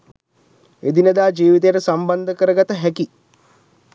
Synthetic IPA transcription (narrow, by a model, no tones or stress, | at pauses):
ed̪inəd̪aːd͡ʒiːʋit̪̬ejəʈəsamband̪əkəɾəɡat̪əɦæki